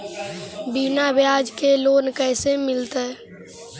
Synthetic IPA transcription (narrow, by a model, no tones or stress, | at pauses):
binabjaːd͡ʒkeloːnkɛːsemɪlt̪ɛː